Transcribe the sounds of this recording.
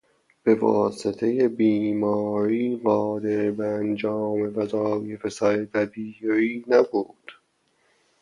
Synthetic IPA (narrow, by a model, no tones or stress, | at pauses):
b̥e̞vɒ̰ːse̞t̪ʰe̞jebiːmɒːɾiːɢɒːd̪e̞ɾbeænd͡ʒɒːme̞væzɒːje̞fesæɾeb̪æbiːɾiːnæbuːd̪̥